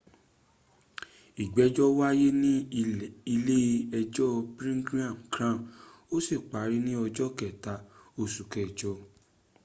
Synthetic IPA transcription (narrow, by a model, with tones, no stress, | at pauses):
i˨ɡ͡bɛ˨˦d͡ʒɔ˦wa˦je˦nĩ˦i˧le˦˧ɛ˧d͡ʒɔ˦pɾĩ˦ɡɾi˦ã˨kɾã˦˨o˦si˦˨k͡pa˨˦ɾi˦nĩ˦ɔ˧d͡ʒɔ˦kɛ˨ta˨˦o˧˨su˨kɛ˨d͡ʒɔ˧˦